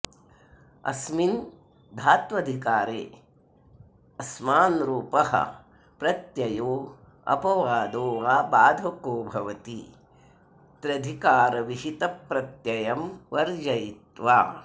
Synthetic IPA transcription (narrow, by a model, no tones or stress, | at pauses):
ɐ̰smin | d̪ʱaːt̪ʋɐd̪ʱikaːɾḛː | ɐsmaːnɾuːpɐɦɐ̰ | pɾɐt̪jɐjoː | ɐ̰pɐʋaːd̪oːʋaːbaːd̪ʱɐkoːbʱɐʋɐt̪i | t̪ɾɐd̪ʱikaːɾɐʋiɦit̪ɐpɾɐt̪jɐjɐmʋɐɾd͡ʒɐjit̪ʋaː